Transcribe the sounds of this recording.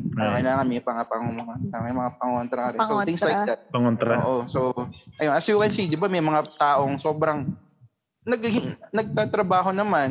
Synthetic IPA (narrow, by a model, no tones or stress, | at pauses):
ɪlaːŋɐnmɛpɐŋapɐŋomɐŋaaŋjmɐŋapɐŋont̪ɾɐkɐɾɛssoɪŋsajd̪at̪̚pɐŋont̪ɾɐoːʔosoʔɐjonɐsjuːkɛnsid̪ɪbamɐjmɐŋat̪aːʔo̞ŋso̞ːbɾɐŋ | nɐɡhɪnɐɡ̚t̪aːt̪ɾɐbaːɦo̞nɐman